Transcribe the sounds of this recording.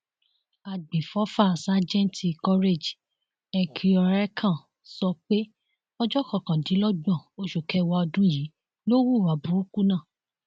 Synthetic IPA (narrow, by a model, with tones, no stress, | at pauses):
a˨ɡ͡bĩ˨fɔ˨˦fa˦˨sa˦d͡ʒɛ̃˦nti˨kɔ˦ɾe˦˨d͡ʒ | ɛ˨kʰi˧ɔ˧ɾɛ˦kʰã˦˨ | sɔ˧k͡pe˦ | ɔ˧d͡ʒɔ˦kɔ̃˦˨kã˨dĩ˨˦lɔ˦ɡ͡bɔ̃˦˨o˧ʃu˨kɛ˧˦wa˧ɔ˧dũ˦ji˨˦ | lo˦wu˦˨wa˨bũ˨˦u˦ku˦nãː˦˨